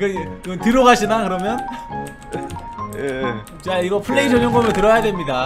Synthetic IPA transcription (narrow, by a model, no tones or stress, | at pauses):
kɯkɡʌntɯɾoɡaɕʰinakɯɾʌmjʌn | je | t͡ɕaiɡʌpʰɯɭːeisʰoɲʌŋɡometɯɾʌjadwe̞mɲida